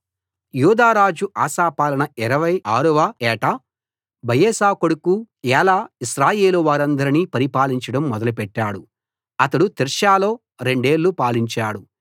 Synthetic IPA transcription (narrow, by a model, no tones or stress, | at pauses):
juːd̪aːɾaːd͡ʒuʔaːʃaːpaːlɐnɐiɾɐʋɐjaːɾuʋɐɛːʈɐ | bɐjeːsaːkoɽuku | jɛːlaːiʃɾaːje̞ːluʋaːɾɐnd̪ɐɾiniːpɐɾipaːliɲt͡ʃɐɽɐmːɔd̪ɐlupɛʈːaːɽu | ɐt̪ɐɽut̪iɾʃaːlo̞ː | ɾe̞ɳɖe̞ːɭːupaːliɲt͡ʃaːɽu